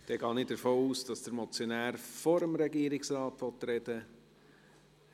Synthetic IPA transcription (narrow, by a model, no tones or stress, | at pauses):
d̥ɛɡɑːnɪd̥əɾfoːuːsd̥ɑsd̥əɾmɔt͡sjonæːɾfɔɾəmɾɛɡiːəɾɪksɾɑːtʋɔt̪ɾɛd̥ə